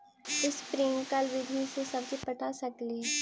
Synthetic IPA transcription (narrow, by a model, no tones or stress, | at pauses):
ɪspɾɪ̃ŋɡkəlʋɪd̪ʱisesɐbsepɐʈʰasɐkle